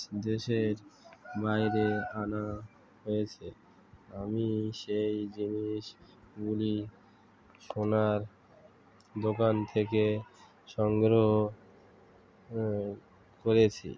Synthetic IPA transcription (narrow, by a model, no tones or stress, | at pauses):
d̪eʃeɾbajɾeana | ɦojet͡ɕʰe | amiʃejd͡ʑiniʃ | ɡuli | ʃonaɾ | d̪okant̪ʰeke | ʃɔŋɡɾoɦoo | koɾet͡ɕʰḭ